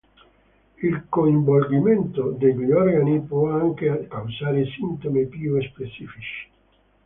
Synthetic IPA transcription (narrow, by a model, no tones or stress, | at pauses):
ilkoiɱbolɡimɛnt̪od̪eʎiʎɔɾɡanipɔaŋkekawsaːɾesint̪omepiuespet͡ʃifit͡ʃi̥